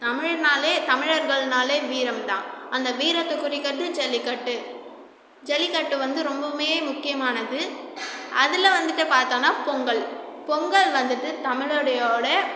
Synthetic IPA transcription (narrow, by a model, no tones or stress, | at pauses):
t̪ɐmɪɻɐnaːleːt̪ɐmɪɻɐɾɣɐɭnaːleːʋiːɾɐmt̪ãːɐnd̪ɐʋiːɾɐt̪ːɐkːʊɾɪkːɐʈːɯd͡ʒɛlːɪkːɐʈːɯ | d͡ʒɛlɪkɐʈːɯʋɐnd̪ɯɾɔmbɐmeːeːmʊkːɪjɐmaːnɐðɯʔɐðɪlɐʋɐnd̪ɯʈːɐpaːɾt̪aːnaːpɔŋɡɐɭpɔŋɡɐɭʋɐnd̪ɯʈːɯt̪ɐmɪɻɯɽɐjoːɽɐ